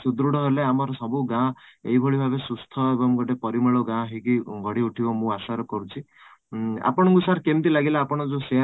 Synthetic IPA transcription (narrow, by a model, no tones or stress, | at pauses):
sud̪ɾuɽɔɦeleamɔɾɔsɔbuɡãḛɦibʱɔɭibʱabesust̪ʰɔebɔmɡɔʈepɔɾimeɭoɡãɦikiɡʱɔɽiuʈʰibɔmũasaɾɔkɔɾut͡ʃʰi | a̰pɔɽ̃ɔ̃ŋkusaɾkent̪ilaɡilaapɔɽ̃ɔd͡ʒose